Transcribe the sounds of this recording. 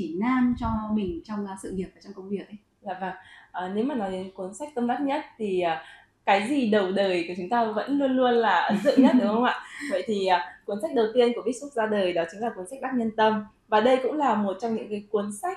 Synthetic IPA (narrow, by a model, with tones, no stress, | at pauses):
t͡ɕi˧˩naː˧nt͡ɕɔ˧mï˨˩ŋ̟t͡ɕɔ˧wŋ͡msɨ̰˧˨ŋi˨˩əp̚aː˨˩t͡ɕɔ˧ŋ͡mkə˧wŋ͡mvi˨˩ək̚ə˨˦ | za̰ː˧˨vaː˨˩ŋʔəː˨˩ne˨˦wmaː˨˩nɔ˨˦jku˨˦ənsa˦˥k̚t̪ə˧mt̪a˦˥t̚ɲə˦˥t̚t̪ʰi˨˩ʔəː˨˩ | kaː˨˦jzi˨˩ɗə˨˩wɗəː˨˩jku˧˩t͡ɕʊ˨˦ŋ͡mt̪aː˧və̰˧˥nlu˧ənlu˧ənlaː˨˩˨zɨ̰˧˨ɲə˦˥t̚ɗɨ˨˦xə˧wŋ͡mʔa̰ː˧˨və̰˧˨jt̪ʰi˨˩ʔaː˨˩ku˨˦ənsa˦˥k̚ɗə˨˩wt̪i˧ənku˧˩əɓi˦˥t̚sʊ˦˥k͡p̚zaː˧ɗəː˨˩jɗɔ˨˦t͡ɕï˨˦ŋlaː˨˩ku˨˦ənsa˦˥k̚ɗa˦˥k̚ɲə˧nt̪ə˧m | vaː˨˩ɗə˧jkʊ̰˧˥ŋ͡mlaː˨˩mo˨˩t̚t͡ɕɔ˧ŋ͡mɲɨ̰˧˥ŋkaː˨˦jku˨˦ənsa˦˥k̟̚